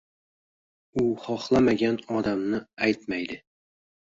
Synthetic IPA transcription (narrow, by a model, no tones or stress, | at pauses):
uχɒχlˠamaɡʲænɒd̪amnɤæjt̪mæjd̪ɪ